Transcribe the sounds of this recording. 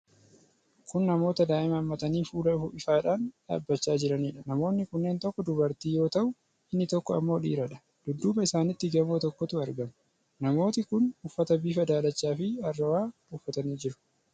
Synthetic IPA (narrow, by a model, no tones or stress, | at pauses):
kʊnːɐmo̞ːt̪ɐd̪aːʔɪmɐːmːɐt̪ɐniːfuːlɐʊfʊɪfaːᶑaːnᶑa̰ːbːɐt͡ʃːaːd͡ʒɪɾɐniːᶑɐnɐmo̞ːnːɪkʊnːe̞ːnt̪ɔkːɔd̪ʊbɐɾt̪iːjo̞ːt̪ɐʔʊ | ɪnːɪt̪ɔkːɔɐ̰mːo̞ːᶑḭːɾɐᶑɐ̥ | d̪̥ʊd̪ːuːbɐɪsaːnɪt̪ːɪɡɐmoːt̪ɔkːɔt̪ʊɐɾɡɐm | nɐmo̞ːt̪ɪkʊnʊfːɐt̪ɐbiːfɐd̪aːlɐt͡ʃːaːfɪɐrːɐwaː | ʊfːɐt̪ɐniːd͡ʒɪɾʊ̥